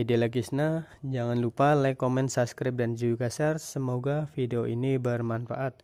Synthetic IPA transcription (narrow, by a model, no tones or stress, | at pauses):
idilakisna | d͡ʒaŋanlupalajkomɛnsaskɾɪp̚dand͡ʒuikasɛrsəmoɡafideoinibərmanfaʔat̪̚